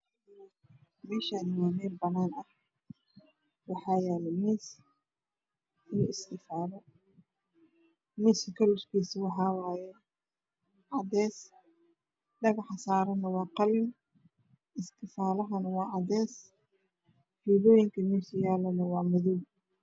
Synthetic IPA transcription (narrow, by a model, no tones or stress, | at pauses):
mɛːʃanɐwaːmɛːlbɐnːaːnɐh | wɑħɑːjɛːlɛmiːs | ɪlʊɪst̪ɪfaːlɔ | miːskʰɐlʊʃkʰiːsɪwɑħɑːwaːjɛ | ʕɑdɛːs | ɖɐɣɐħsaːɾɐnɐwɑːqɑlɪn | ʔɪst̪ʰɪfaːlɐɦɐnɐwɑːʕɑdɛːs | huːðɔːjɪŋkʰɐmiːsɪjaːlɐnɐwɑːmʊðuːm